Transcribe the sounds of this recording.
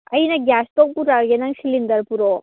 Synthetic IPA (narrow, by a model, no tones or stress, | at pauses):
ɐjnɐɡʲjaːst̪opuɾajenɐŋʃilind̪ɐɾpuɾo